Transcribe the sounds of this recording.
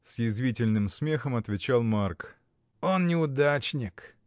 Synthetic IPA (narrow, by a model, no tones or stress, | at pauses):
sjɪzvʲitʲɪlʲnɨmsmʲe̞xəmɐt̪vʲɪt͡ɕalˠmark | onnʲɪʊd̪at͡ɕnʲɪk